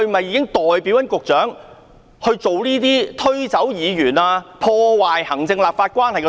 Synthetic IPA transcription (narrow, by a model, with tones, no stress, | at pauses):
ɵ˧ɥm˨ɐ˨jiː˧kɪ˥ŋt̪ɔː˨jpiː˨˥wjɐ˥nkʊ˨k̚t͡ʃœː˨˥ŋ | hɵ˧ɥt͡so˨wniː˥t̪iː˥t̪ʰɵ˥ɥt͡sɐ˨˥wjiː˨˧jyː˨˩naː˧pʰɔː˧waː˨jhɐ˨˩ŋt͡sɪ˧ŋlaː˨p̚faː˧t̚kʷaː˥nhɐ˨jkɛ˧